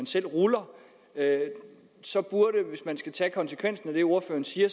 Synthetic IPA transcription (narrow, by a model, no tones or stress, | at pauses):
ænsel̰ʁulɐ | ø | sɒ̽b̥uɐɾeʋe̝smænsɡ̥æt͡sʰɛkʰɒ̽nsəkʰʋen̰sn̩æd̥e̝o̝ɐfø̰ːɐn̩siːɐ